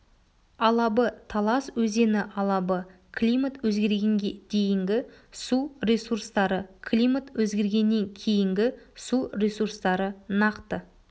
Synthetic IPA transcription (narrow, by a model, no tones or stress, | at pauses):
ɑlˠɑbət̪ʰɑlˠɑswɵze̞nɪʔɑlˠɑbə | kʰlʲijmat̪wɵzɡʲe̞ɾɡʲe̞ŋɡʲed̪̥e̞jɪŋɡʲɪsuɾesurst̪ɑɾəkʰlʲijmat̪wɵzɡʲe̞ɾɡʲe̞nːe̞ŋkʲʰe̞jɪŋɡʲɪsurʲesurst̪ɑɾənɑqt̪ə